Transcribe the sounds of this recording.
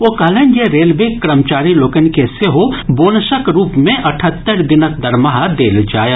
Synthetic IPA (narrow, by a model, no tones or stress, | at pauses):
okaːlənd͡ʒeɾeːlbeːkːɾəmt͡ʃaːɾiloːkənkeseɦoboːnəʃəkɾuːpmẽʔɐʈʰət̪ːəɾd̪ɪnəkd̪ɐɾmaɦad̪eːld͡ʒaːje